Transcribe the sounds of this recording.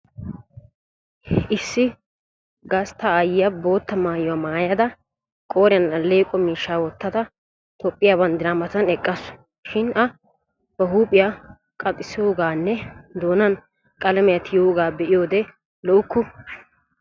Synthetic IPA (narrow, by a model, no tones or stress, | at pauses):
ʔɪsːɪ | ɡɐst̪ɐːjɪjɐbo̞ːt̪ːɐmaːjʊwaːmaːjɐd̪ɐ | kʼoːɾɪjɐnɐlːeːkʼɔmiːʃːaːwɔt̪ːɐd̪ɐ | t̪opʼːɪjaːbɐnd̪ɪɾaːmɐt̪ɐnɛkʼːɐs | ʃɪnɐ | b̥ɐɦuːpʼːɪja | kʼɐt̪ʼːɪsɪjoːɡaːnːɛd̪oːnɐn | kʼɐlɐmɛjɐt̪ɪjoːɡaːbɛʔɪjo̞ːd̪ɛ | lɔʔʊkːʊ